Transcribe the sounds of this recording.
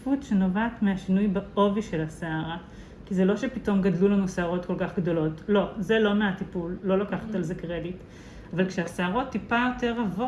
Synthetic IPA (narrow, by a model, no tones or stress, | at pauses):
futʃenovaːtmeaʃinujbaoviʃelaseaʁa | kizelo̞ʃepito̞mɡadlulanuseaʁo̞tko̞lkaχɡdo̞lo̞tlo̞zelo̞meatipulːo̞lakaχḁtalzekʁe̞dit | avalkʃeaseaʁo̞tːipajo̞te̞ʁavo